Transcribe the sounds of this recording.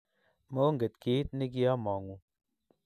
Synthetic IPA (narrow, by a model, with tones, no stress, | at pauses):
mo˦ŋɡe˨t̪ki˨˦t̪̚ni˦k̬i˦a˦mɔ˨ŋu˨